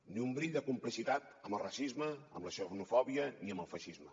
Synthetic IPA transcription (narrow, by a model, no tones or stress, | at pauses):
niumbɾiʎd̪əkumplisit̪at̪əmbəlˠrasizməə̰mləʃɛwnufɔβiəniəmbəlˠfəʃizmə